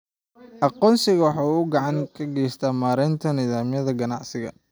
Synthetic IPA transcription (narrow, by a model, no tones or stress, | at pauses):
ʔɑqɔːnsɪɣɐwɑħɑːuʊɡɑʕɑŋkʰɐɡɛːst̪ʰaːmaːɾɛnt̪ʰɐniːðaːmɪjɐðɐɡɐnɑʕsɪɣɐ̰